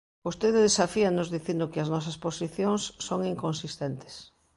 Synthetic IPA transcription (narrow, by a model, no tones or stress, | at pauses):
ost̪eðɪðesafianʊzðiθind̪ʊkɪɐznɔsɐsposiθjoŋsːoŋiŋkonsist̪ent̪ɪ̥s